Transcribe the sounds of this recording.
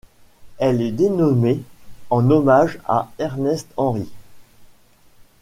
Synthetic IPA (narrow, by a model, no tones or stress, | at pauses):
ɛlɛd̪enɔmeɑ̃nɔmaʒa̰ɛʁnɛst̪ɑ̃ʁi